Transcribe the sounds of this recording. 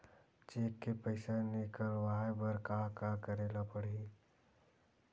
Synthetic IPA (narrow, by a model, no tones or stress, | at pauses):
t͡ʃeːkːepəɪsanekəɾʋaːbəɾkakakəɾeːlapəɽ̤i